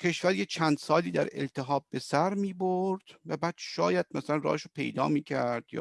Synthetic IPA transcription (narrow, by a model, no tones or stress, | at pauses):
cʰe̞ʃvæɾjet͡ʃʰænd̪sɒːliːd̪æɾe̞̰lt̪ʰe̞ɦɒːb̚ːe̞sæɾmiːboɾd̪̥væbæːd̪̥ʃɒːjæd̪̥̚mæsælænrɒ̰ːheʃopʰe̞̰jd̪ɒ̰ːmiːcʰæɾd̪̥jɒ̰ː